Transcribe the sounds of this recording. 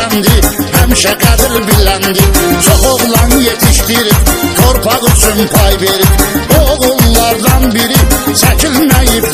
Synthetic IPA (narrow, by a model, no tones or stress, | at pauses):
nd̪ɪhæmʃɛɡæd̪ilbilænd̪ɪt͡ʃʰoqoʁlˠɑnjet̪ʰiʃt̪iɾipk̪ʰoɾpʰɑʁyt͡ʃʰynpʰɑjbeɾipooʁulˠːɑɾd̪ɑnbiɾisæcʰilmæjip